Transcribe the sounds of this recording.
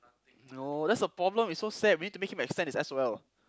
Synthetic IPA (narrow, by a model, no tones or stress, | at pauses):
nodɛtsəpɹɔblə̃misːosɛd̚winid̚tumekhĩmɛkstɛ̃ntisɛswɛl